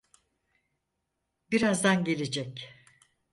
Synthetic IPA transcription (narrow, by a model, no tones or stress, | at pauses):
biɾazd̪anɟe̞lʲed͡ʒɛc